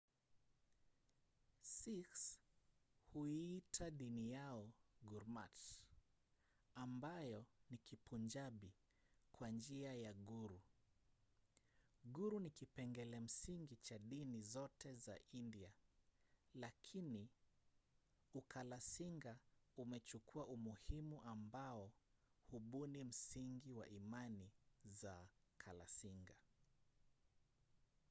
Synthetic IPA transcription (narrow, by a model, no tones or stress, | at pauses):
siks | huiːtʰaɗinijaɔɡuɾmat | ambajɔnikipund͡ʒaɓi | kwand͡ʒiajaɠuɾu | ɡuɾunikipɛŋɡɛlɛm̩siŋɡit͡ʃaɗinizɔtɛza̰ʔindia | lakʰini | ukʰalasiŋɡaumɛt͡ʃukʰuaʔumuhimuʔambaɔ | huɓunim̩siŋɡiwa̰ʔimanizakʰala̰siŋɡa